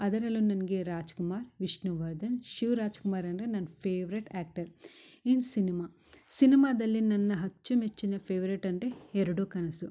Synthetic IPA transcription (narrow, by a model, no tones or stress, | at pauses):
ɐd̪ɐɾɐlunɐnɐɡeːɾaːd͡ʒkumaːɾʋiʂnuʋɐɾd̪ɐnʃiʋɾaːd͡ʒkumaːɾɐɳɾenɐnːɐpʰeːʋɐɾeʈaːk̚ʈɐɾinsinimaː | sinimaːd̪ɐlːinɐnːɐɦɐt͡ʃːumet͡ʃːinɐpʰeːʋɐɾeʈɐɳʈeeɾɐɽoːkɐnɐsu